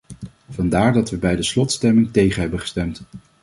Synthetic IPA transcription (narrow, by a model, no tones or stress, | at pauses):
v̥ɑndaːɹdɑtʋəbɛjdəslɔtstɛmɪŋtejχənɦɛbəχə̥stɛmt